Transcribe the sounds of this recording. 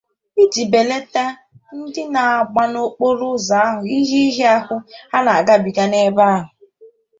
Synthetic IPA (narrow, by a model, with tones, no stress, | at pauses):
i˦d͡ʒi˨be˨le˦ta˦ | n̩˦dɪ˦na˨a˨ɡ͡ba˦no˦k͡po˦ɾʊ˦za˨˦ɦʊ˨i˦ɦi˦i˦ɦe˦a˦ɦʊ˦a˦na˨a˨ɡa˦bi˨ɡa˦ne˦ba˦ɦʊ˨